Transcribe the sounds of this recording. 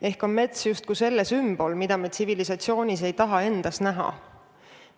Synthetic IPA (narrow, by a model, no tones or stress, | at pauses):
e̞hko̞nme̞t̪sjust̪̚kuse̞lːesymb̥o̞lmid̪̥ɑmet̪sivilisɑt̪sio̞ːnʲise̞jt̪ɑɦɑe̞nd̪̥ɑsnæɦɑ̰